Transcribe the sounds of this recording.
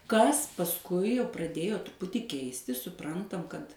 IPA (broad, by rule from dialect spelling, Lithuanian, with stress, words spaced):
ˈkɐs pɐsˈkʊɪ jɛʊ prɐˈdʲeːjoː trʊˈpʊtʲiː ˈkʲɛɪsʲtʲɪs sʊˈprɐntɐm kɐt